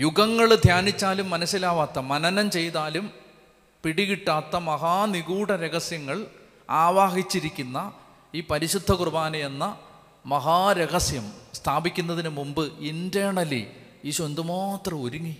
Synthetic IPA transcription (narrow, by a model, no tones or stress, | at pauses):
juɡɐŋːɐɭd̪ʱjaːnit͡ɕːaːlumːɐnɐsːilaːʋaːt̪ːɐmɐnɐnɐmt͡ɕe̞jt̪aːlum | piɽiɣiʈːaːt̪ːɐmɐɦaːniɣuːɽɐɾeɣɐsjɐŋːɐɭ | aːʋaːɦit͡ɕːiɾikʲːunːɐ | iːpɐɾiɕud̪ʱːɐkrɨbaːnɐjenːɐ | mɐɦaːɾeɣɐsjɐmst̪ʰaːbikʲːunːɐðinɨmumbɨindeːɳɐlḭ | iːɕond̪umaːt̪rɐmoɾuŋːi